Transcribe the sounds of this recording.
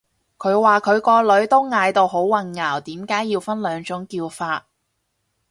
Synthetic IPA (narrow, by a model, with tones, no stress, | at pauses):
kʰɵ˨˧ɥwaː˨˩kʰɵ˨˧ɥkɔː˧lɵ˨˥ɥt̪o˥wŋaː˧jt̪o˧wɦo˨˥wwɐ˨˧nŋaː˨˩wt̪iː˨˥mkaː˨˥jiː˧wfɐ˥nlœː˨˧ŋt͡ʃʊ˨˥ŋkiː˧wfaː˧t̚